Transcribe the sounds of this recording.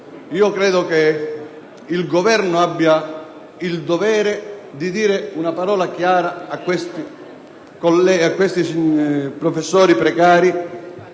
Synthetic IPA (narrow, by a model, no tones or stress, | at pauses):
iːokɾɛːd̪ʊke | ilɡovɛrnʊabːja | ild̪ovɛːɾɪd̪id̪iːɾɪunapaɾɔːlakjaːɾaːkːwest̪i | kolɛakːwest̪ispɾofesːɔːɾipɾɛkaːɾi